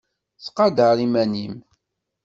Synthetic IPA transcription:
θqɑd̪əɾimænim

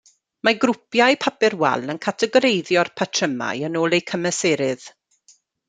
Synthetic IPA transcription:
maɡrʊpjajpʰapɪrwɛ̰lənkʰatʰɛɡɔɾejðjɔrpʰatʰrəma̰jənoːlˠejkʰəməseːɾɪð̥

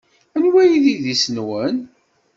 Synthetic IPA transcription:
ænwæjiðiðisənwən

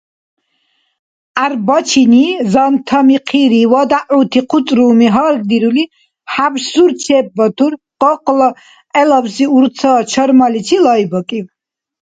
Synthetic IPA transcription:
aɾbɔt͡ʃʰinizant̪ʰamiqʰiɾiwɔd̪aʔut̪ʰiqʰut̪ʼɾuːmiɦaːɾɡ̚d̪iɾuli | habʃsuɾt͡ʃʰɛːp̚ːɔt̪ʰuɾ | qɔqʼlɔ | ɛlabsiuɾt̪sʰaːt͡ʃʰɔɾmalit͡ʃʰilajbɔkʼiw

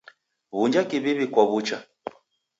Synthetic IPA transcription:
βund͡ʒakiβiβikwaβut͡ʃa

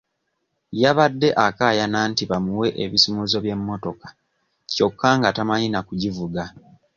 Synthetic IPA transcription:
jaβadːe̞ʔakaːjanaːntiβamuwe̞ʔeβisimuzo̞βje̞mːo̞to̞kḁ | co̞kʰːaŋɡatamaɲinakuɟivuɡa

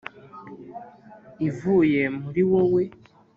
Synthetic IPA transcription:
ivujemuɾiwowe

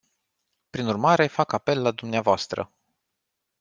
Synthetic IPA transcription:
pɾinurmaɾefakape̞lːad̪umneavoast̪ɾə̰

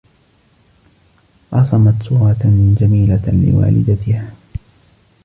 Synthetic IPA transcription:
ʔɑsˤɑmɑt̪suːɾɑt̪d͡ʒamiːlalɪ̰wa̰ːlɪ̰d̪at̪ɪhaː

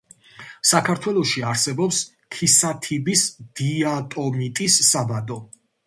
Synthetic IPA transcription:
sakʰaɾt̪ʰwɛlˠɔʃiaɾsɛbɔps | kʰisat̪ʰibisd̪̥iat̪ʼɔmit̪ʼisːabad̪ɔ

